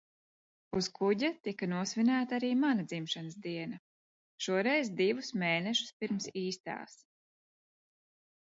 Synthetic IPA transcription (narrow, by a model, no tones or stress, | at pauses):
uskʰuɟat̪ikanuɔsvinæːt̪aaɾiːmanad̪zimʃanɨsd̪iɛnɐ | ʃuɔɾɛjzd̪ivusmeːnɛʃu̥spiɾmsiːst̪a̰ːs